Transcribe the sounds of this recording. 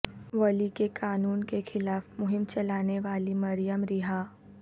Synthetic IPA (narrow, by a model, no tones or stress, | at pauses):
ʋɐlikekaːnuːnkexɪlaːfmʊɦɪmt͡ʃɐlaːneʋaːlimɐɾijəmɾɪɦaː